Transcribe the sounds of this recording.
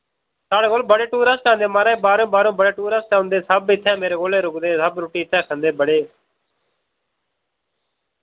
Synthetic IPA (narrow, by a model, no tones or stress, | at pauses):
taːɽeːkoːlbəɽeːʈuːɾãːst͡ʃãːnd̪eːmaːɾẽːbaːɾõːbaːɾõːbəɽeːʈuːɾãːst͡ʃaːʊ̃nd̪eːsəbɪt̪ʰːɛ̃ːmeːɾeːɡoːleːɾʊkd̪eːsəbɾoːʈiːɪt̪ʰːɛ̃ːkʰə̃nd̪eːbəɽeː